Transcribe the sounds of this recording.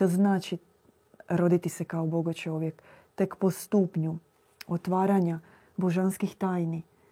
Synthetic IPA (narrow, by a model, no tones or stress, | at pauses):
t̪oznaːt͡ʃi | ɾo̞d̪it̪isekaoboɡot͡ʃo̞ʋje̞k | t̪e̞kpo̞st̪uːpɲu | ot̪ʋaːɾaɲa | boʒanskixt̪aːjni